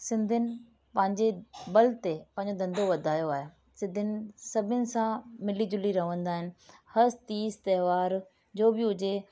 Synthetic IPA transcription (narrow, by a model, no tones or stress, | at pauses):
sɪ̃nd̪ʱənɪ̆ | pɐ̃ɦɪ̃ɲd͡ʑebɐlt̪epɐ̃ɦɪ̃ɲd͡ʑod̪ɐ̃nd̪ʱoʋɐd̪ʱaːjoaːɦe | sɪ̃nd̪ʱɪnɪ̆sɐbʱənɪ̆sãmɪlid͡ʑʊliɾɐɦʋə̃nd̪aːɦɪnɪ̆hɐst̪iːzt̪ɐɦʋaːɾ | d͡ʑoːbɪɦʊd͡ʑe